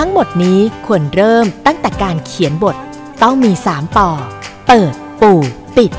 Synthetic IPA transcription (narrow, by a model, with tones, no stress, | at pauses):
t̪ʰa˦˥ŋmo˨˩t̪̚niː˦˥kʰu˧ənɾɤː˥˩mt̪a˥˩ŋt̪ɛː˨˩kaː˧nkʰi˨˩˦ənbo˨˩t̪̚ | t̪ɔ˥˩ŋmiː˧saː˩˦mt̪ɔː˧pɤː˨˩t̪̚puː˨˩ | pi˨˩t̪̚